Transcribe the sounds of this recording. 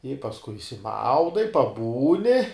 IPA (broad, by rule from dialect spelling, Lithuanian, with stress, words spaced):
ɪ pɐsˈkʊɪ ɪʃʲsʲɪˈmɐʊdɐɪ pɐˈbuːnʲɪ